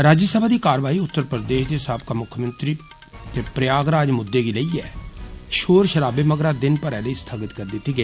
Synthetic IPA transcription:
ɾaːd͡ʒasəbʱaːd̪iːkaːɾʋaːiːʊt̪ːəɾpɾəd̪eːʃd̪esab̚kaːmʊkʰəmənt̪ɾiː | t̪eːpɾɪjaːɡɾaːd͡ʒmʊd̪ːeːɡiːləiːɛːʃoːɾʃəɾaːbeːməɡɾaːd̪ɪnpəɾɛːləiːst̪ʰəɡət̪kəɾd̪ɪt̪ːiːɡe

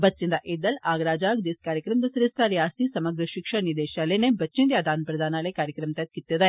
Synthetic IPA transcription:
bɐt͡ʃːind̪ɐʔeːd̪ɐlaːɡɾaːd͡ʒaːɡd̪iskaːɾjɐkɾɐmd̪ɐsɐɾist̪aɾjaːst̪isɐmɐɡɾɐʃikʂɐniɾd̪eːʃaːlenebɐtːt͡ʃind̪jaːd̪ʱaːnpɾɐd̪ʱaːnaːlekaːɾjɐkɾɐmt̪ɐt̪̚kit̪ːɐd̪e

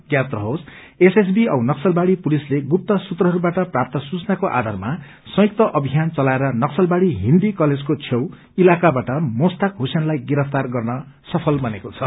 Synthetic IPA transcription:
ɡjat̪rʌɦos | eses̬biʌwnʌksʌlbaɽipulisleɡup̚t̪ʌsut̪rʌɦʌɾubaʈʌprap̚t̪ʌsut͡snakoʔa̰d̪ʱarma | sʌ̃juk̚t̪ʌʔʌbʱijant͡sʌlaeɾʌnʌksʌlbaɽiɦind̪ikʌled͡zkot͡sʰjew | ilakabaʈʌmost̪akɦusjenlajɡiɾʌpʰt̪arɡʌrnʌsʌpʰʌlbʌnekot͡sʰʌ

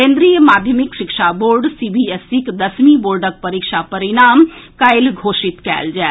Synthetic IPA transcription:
kẽːnd̪ɾijəmaːd̪ʱjəmɪkʃɪkʃaboːɾɖsiːbiesɪkd̪ɐsmiboːɾɖək̚pɐɾikʃapɐɾɪɽaːmkaːɪlɡʱoːʃɪt̪kɛ̰ːld͡ʒɛː

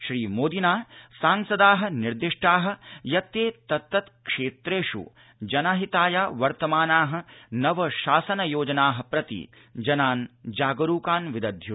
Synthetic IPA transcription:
ʃɾiːmoːd̪inaːsaːŋsɐd̪aːɦɐ̆niɾd̪iʂʈaːɦɐ̆jɐt̪eːt̪ɐt̪ːɐt̪kʂeːt̪ɾeːʂṵ | d͡ʒɐnaɦit̪aːjaːʋɐɾt̪ɐmaːnaːɦɐ̆nɐʋɐʃaːsɐnɐjoːd͡ʒɐnaːɦɐ̆pɾɐt̪ḭ | d͡ʒɐnaːnd͡ʒaːɡɐɾuːkaːnʋid̪ɐd̪ʱju

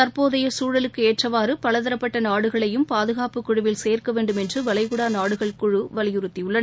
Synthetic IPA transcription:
ɐɾpoːðɐjɐsuːɻɐlɯkːɯeːʈrɐʋaːrɯpɐɭɐðɐɾɐpːɐʈːɐnaːɽɯɣɐɭɐjɯmpaːðɯɣaːpɯkːʊɻʊʋɪlseːrkɐʋeːɳɖɯmɛndrɯʋɐɭɐɪɣɯɽaːnaːɽɯɣɐɭkʊɻɯʋɐlɪjɯɾɯt̪ːijʊɭːɐn

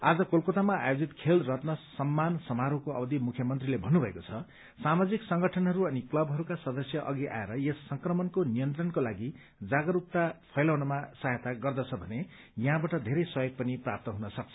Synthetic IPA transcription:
ad͡zʌkolkot̪amaa̰jod͡zit̪kʰelrʌt̪nʌsʌmːansʌmaɾokoʌ̰bʌd̪ʱimukʰjʌmʌnt̪rilebʱʌnːubʱʌḛkot͡sʰʌ | samad͡ziksʌŋɡʌʈʰʌnɦʌɾuʌniklʌbʱɦʌɾukasʌd̪ʌsjʌʔʌɡiʔa̰eɾʌjesːʌŋkrʌmʌnkonijʌnt̪rʌnkolaɡi | d͡zaɡʌɾup̚t̪apʰʌjlawnʌmasaɦjet̪aɡʌrd̪ʌt͡sʰʌbʱʌne | jʌɦãbaʈʌd̪ʱeɾʌjswʌjʌɡ̚pʌniprap̚t̪ʌɦunʌsʌk̚t͡sʰʌ̥

